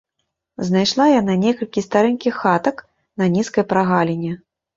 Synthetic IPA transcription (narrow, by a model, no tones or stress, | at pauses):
znajʂlˠajananʲɛkɐlʲkʲist̪aɾɛnʲkʲixxat̪ɐk | nɐnʲiskɐjpɾaɣalʲɛnʲɛ